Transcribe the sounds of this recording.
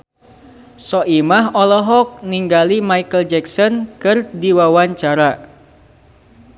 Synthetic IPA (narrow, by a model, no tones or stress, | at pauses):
sɔʔimaɦɔlɔɦɔk̚niŋɡalimaikəld͡ʒɛksɔnkɨrdiwawaɲt͡ʃaɾa